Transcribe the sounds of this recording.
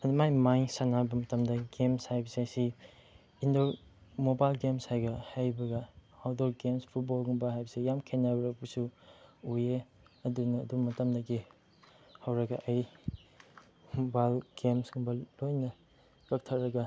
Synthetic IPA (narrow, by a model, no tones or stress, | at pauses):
ɐnɐmajmajsanabɐmɐtɐmdɐɡemshajbɐsesi | indomobajlɡemshajɡɐhajbɐɡɐawdoɾɡemspʰut̚bolɡumbɐhajbɐsejamkʰenabɐɾɐpusuuje | ɐdunɐːdubɐmɐtɐmdɐɡi | hɐwɾɐɡɐʔɐj | mobajlɡ̥emsɡuŋbɐlojnɐ | kɐk̚tʰɐɾɐɡɐ